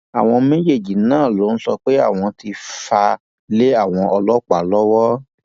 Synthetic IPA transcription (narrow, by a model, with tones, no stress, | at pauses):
a̰˨w̃ɔ̃˧me˦je˦˨d͡ʒi˨nãː˦˨lo˨˦n̩˦sɔ˧k͡pe˦a̰˦˨w̃ɔ̃˧ti˧fa˧ | le˦a˦˨w̃ɔ̃˧ʔɔ˧lɔ˦k͡pa˨lɔ˦wɔ˦